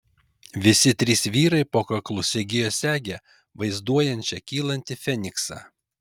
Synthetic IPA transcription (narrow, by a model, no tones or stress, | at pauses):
ʋʲɪsʲɪt̪ʲɾʲiːsʋʲiːɾɐɪpoːkɐklˠʊsʲɛɡʲɪjoːsʲæːɡʲɛ | ʋɐɪzd̪uɔjɛnʲt͡ʃʲɛkʲiːlˠɐnʲt̪ʲɪfʲɛnʲɪksɑ̰ː